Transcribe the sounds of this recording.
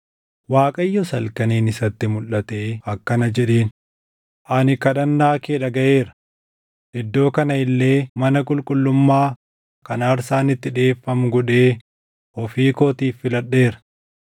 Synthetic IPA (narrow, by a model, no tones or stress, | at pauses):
waːkʼɐjːɔsɐlkɐneːnɪsɐt̪ːɪmʊlːɐt̪eːɐkːɐnɐd͡ʒɛᶑeːn | ʔɐnɪkɐᶑɐnːaːkeːᶑɐɡɐʔe̞ːɾɐ̥ | ʔɪd̪ːo̞ːkɐnɐɪlːe̞ːmɐnɐkʼʊlkʼʊlːʊmːaː | kɐnːɾsaːnɪt̪ːɪᶑe̞ːfːɐmɡɔᶑe̞ː | ɔfiːkoːt̪iːfːɪlɐɗːe̞ːɾɐ̥